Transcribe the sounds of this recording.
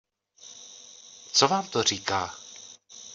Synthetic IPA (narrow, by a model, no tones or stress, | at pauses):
t͡sovaːmt̪or̝iːkaː